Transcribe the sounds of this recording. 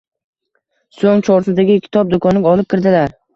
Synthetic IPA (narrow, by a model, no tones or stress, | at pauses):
soŋt͡ʃʰɒɾsɪd̪aɡʲɪkʲʰɪ̥t̪ʰɒp̚d̪okʰɒnɪɡʲɒlˠɪp̚kʲɪɾd̪ɪlaɾ